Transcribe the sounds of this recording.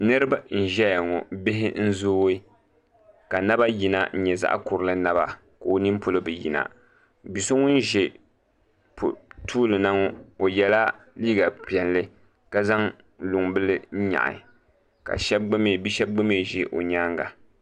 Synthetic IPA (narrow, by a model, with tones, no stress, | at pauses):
nɨ˦ɾɨ˦ba˦n̩˦˨ʒɛ˦ja˨ŋɔ˨bɪ˦ɦɪ˦n̩˦zoː˦i˦ | ka˨na˦ba˦ji˨na̰˦˨n̩˦ɲɛ˨za̰˦ʔkʊ˨ɾɨ˨lɨ˦na˦ba̰˨ | ka˨o˨nɨ˦mpʊ˨lɨ˦bɨ˨jḭ˨na̰˨ | bi˨so˦ŋʊ˦n˦ʒe˨ | ptʰuː˦lɨ˨na˦ŋɔ˦o˨jɛ˨la˦ | liː˦ɡa˨pi˨ɛ˨nlɨ˦ | ka˦za˦ŋ | lu˨ŋbɨ˦lɨ˦n̩˦ɲa̰˨ʔa̰˨ | ka̰˨ʃɛ˦b̚ɡ͡bɨ˦me˨bi˦ʃɛ˦b̚ɡ͡bɨ˦me˦˨ʒɛ˨ʔo̰˨ɲa˦ŋɡa˨